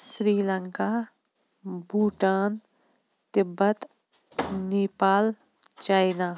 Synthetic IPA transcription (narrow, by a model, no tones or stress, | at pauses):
sɾiːləŋkaː | buːʈaːn | t̪ɪbːɐt̪ | neːpaːl | t͡ʃaːjnaː